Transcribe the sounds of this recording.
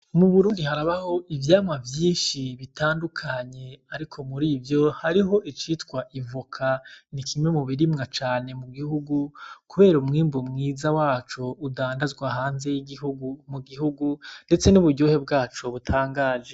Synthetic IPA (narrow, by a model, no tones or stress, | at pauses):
muβuɾuːndihaɾaβaho̞ivjaːmŋavjiːnʃiβitaːndukʰaɲe̞aɾikʰo̞muɾiːvjo̞haɾiɦo̞ʔit͡ʃitkwaʔivukʰanikʰimwe̞muβiɾimŋat͡ʃaːne̞muɡihuɡukuβe̞ːɾumŋiːmbomŋiːzawaːt͡ʃoudaːndazɡwaɦaːnze̞jiɡihuɡumuɡiɦuɡunde̞t͡se̞nuβuɾɟoːhe̞bɡaːt͡ʃoβutʰaːŋɡaːʒe̞